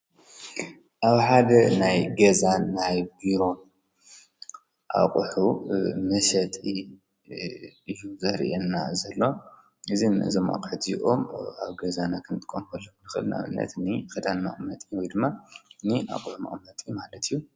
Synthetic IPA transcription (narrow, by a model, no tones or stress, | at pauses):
ʔaβħad̪ɐnajɡɐzanajbiɾo̞n | ʔa̰qʼħumɐʃɐt̪ʼi | ɨjːuzɐɾʔenːa̰zɐlːo̞ | ɨzinɨ̰ʔzoma̰kʼħɨd̪ijʔo̞ma̰βɡɐzanakʰɨnt̪ʼɨkʼːonxɐlːɐknɨxɨ̰lnʔa̰βɨ̰nːɐ̰t̪nɨkɐt̪ʼanma̰χʼɨmːɐt̪ʼiwɔjd̪ɨmːania̰kʼħuma̰χʼmːɐt̪ʼijmalɐt̪ʰɨjːu